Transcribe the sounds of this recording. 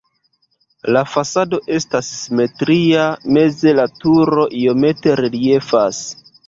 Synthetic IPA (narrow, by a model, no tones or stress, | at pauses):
lafasado̞ʔe̞stasːime̞tɾiame̞ze̞latuɾo̞ʔio̞me̞te̞ɾelie̞fas